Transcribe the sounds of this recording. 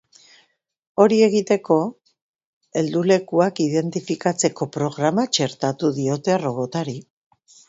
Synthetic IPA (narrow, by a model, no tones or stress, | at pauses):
o̞ɾie̞ɣ̞it̪e̞ko̞ | e̞ld̪ule̞kuakiðe̞nt̪ifikat͡se̞ko̞pɾo̞ɣɾamat͡ʃe̞ɾt̪at̪uðio̞t̪e̞aro̞ɣo̞t̪aɾi